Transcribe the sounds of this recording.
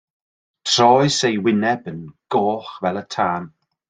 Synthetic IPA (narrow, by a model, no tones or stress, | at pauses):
tʰr̥ɔːɨsejwɪnɛbənɡ̥oːχvɛlˠətʰaːn